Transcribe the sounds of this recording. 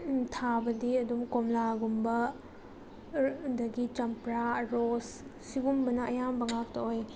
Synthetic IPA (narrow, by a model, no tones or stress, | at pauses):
tʰabɐdiɐdumkomlaɡumbɐ | dɐɡit͡ʃɐmpɾaɾos | siɡumbɐnɐɐjambɐŋak̚tɐoj